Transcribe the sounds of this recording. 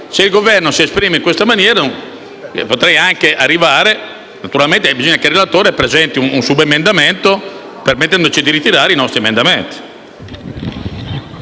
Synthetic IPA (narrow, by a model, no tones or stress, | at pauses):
seilɡovɛrnosiespɾiːmeiŋkwest̪amanjɛːɾa̰ | pot̪ɾɛjaŋkeʔarːivaːɾe | nat̪uɾalment̪ebizoɲːakerːelat̪oːɾepɾezɛnt̪iununsubemend̪ament̪o | permet̪ːɛnd̪ot͡ʃid̪iɾit̪iɾaːɾeinɔst̪ɾiemend̪ament̪i̥